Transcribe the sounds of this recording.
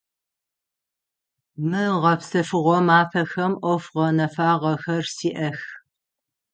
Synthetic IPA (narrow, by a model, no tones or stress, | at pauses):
mɨʁɐpsɐfɨʁʷɔmaːfɐxɐmʔʷɔfʁɐnɐfaːʁɐxɐrsiːʔɐx